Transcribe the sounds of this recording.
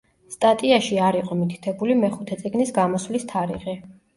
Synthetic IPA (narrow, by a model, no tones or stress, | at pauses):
st̪ʼat̪ʼiaʃiaɾiqʼɔmit̪ʰi̥t̪ʰɛbulimɛχut̪ʰɛt̪sʼiɡnisɡamɔswlist̪ʰaɾḭʁɛ